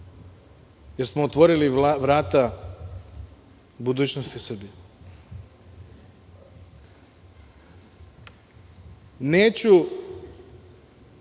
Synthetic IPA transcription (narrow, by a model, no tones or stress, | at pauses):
jeɾsmoot̪ʋo̞ɾiliʋɾaːt̪a | bud̪uːt͡ɕnost̪isr̩bije | neːt͡ɕu